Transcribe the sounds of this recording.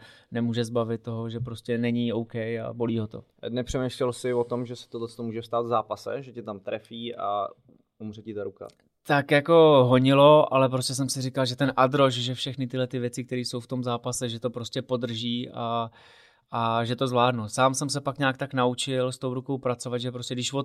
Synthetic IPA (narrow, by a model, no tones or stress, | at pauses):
nɛmuːʒɛzbavɪt̪̚ːo̞ɦoʒɛpɾo̞scɛnɛɲio̞wkɛja̰bo̞liːɦo̞t̪o̞̰ | nɛpr̝̥ɛmeːʃlɛlsɪvot̪omʒɛsɛ̥t̪odlɛt͡st̪omuːʒɛfst̪aːt̪vzaːpasɛ̰ʒɛcɛt̪amt̪ɾɛfiːʔa̰ | umr̝ɛcɪt̪aɾuka̰ | t̪akjako̞ɦo̞ɲɪlo̞ʔa̰lɛp̬ɾoscɛs̬ɛmsɪrɪkalʒɛt̪ɛnʔad̪ɾo̞ʃʒɛfʃɛxnɪt̪ɪlɛt̪ɪvjɛt͡sɪk̚t̪ɛɾiːso̞wft̪o̞mzaːpasɛʒɛt̪o̞pɾo̞scɛpo̞d̪r̩ʒiːʔa | aʒɛt̪o̞zvlaːdnusaːmsɛmsɛpakɲaːkt̪aknaut͡ʃɪlst̪o̞wɾuko̞wpɾat͡sovad̪ʒɛpɾoscɛɡdɪʃvo